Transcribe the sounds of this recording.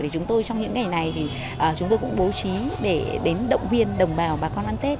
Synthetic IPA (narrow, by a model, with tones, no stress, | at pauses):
e˧˨˩t͡ɕʊ˨˦ŋ͡mt̪o˧jt͡ɕɔ˧wŋ͡mɲɨ̰˧˥ŋːa˨˩jna˨˩jt̪ʰi˨˩ | ʔəː˨˩t͡ɕʊ˨˦ŋ͡mt̪o˧kʊ̰˧˥ŋ͡mɓo˨˦t͡ɕi˨˦ɗe˧˩ɗe˨˦nɗə̰˧˨wŋ͡mhwi˧ənɗə˨˩wŋ͡mɓaː˨˩wɓaː˨˩kɔ˧nʔaː˧nt̪e˦˥t̚